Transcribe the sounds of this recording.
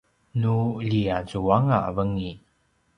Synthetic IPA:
nuʎiazuaŋavəŋi

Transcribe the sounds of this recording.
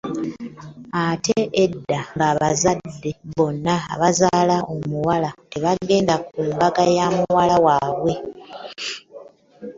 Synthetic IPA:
ateʔedːaŋɡaːβazadːe̞βo̞nːa̰ːβazaːlao̞muwalate̞βaɡe̞ːndak̚uːmbaɡajaːmuwalawaːβwe̞

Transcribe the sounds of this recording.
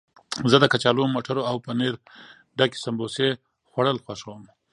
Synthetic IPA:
zəd̪əkat͡ʃɑlomoʈʰaɾoawpəneɾ | ɖaki̥sambose | xwaɽəlxwaʃəwəm

